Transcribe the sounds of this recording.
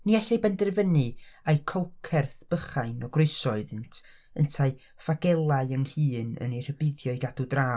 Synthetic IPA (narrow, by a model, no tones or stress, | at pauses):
niɛɬejbɛndrvənɨajkʰɔlˠkʰɛrθb̥əχaɨnɔɡrʊɨsɔɨðɪntʰ | əntʰaɨ | faɡɛlˠaɨəŋhɨːnə̰nejr̥əbɪðjɔjɡadudraː